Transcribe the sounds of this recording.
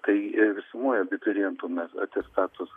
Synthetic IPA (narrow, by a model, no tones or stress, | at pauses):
t̪ɐɪʋʲɪsʊmoːjobʲɪtʲɪɾʲɛnt̪uːmʲɛsɐ̰t̪ʲɛst̪ɑːt̪ʊs